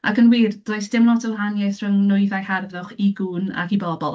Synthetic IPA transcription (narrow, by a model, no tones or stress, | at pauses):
a̰kənwiːrd̥oːjsd̥ɪmlɔtəwˠɦanjajθrəŋnʊɨðajharðʊχiɡuːna̰kibɔbɔlˠ